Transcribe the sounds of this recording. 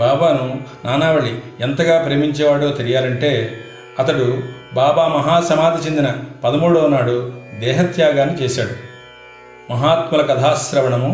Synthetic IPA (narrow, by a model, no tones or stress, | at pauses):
baːbaːnunaːnaːʋɐɭːient̪ɐɡaːpɾe̞ːmiɲt͡ʃɛːʋaːɽoːt̪eɾijaːlɐɳʈe̞ː | ɐt̪ɐɽubaːbaːmɐɦaːsɐmaːd̪ʱit͡ʃend̪inɐpɐd̪ɐmuːɽoːnːaːɽud̪ɛːɦɐt̪jaːɡaːnːit͡ʃɛːʃaːɽu | mɐɦaːt̪mulɐkɐd̪ʰʱaːsɾɐʋɐɳɐmu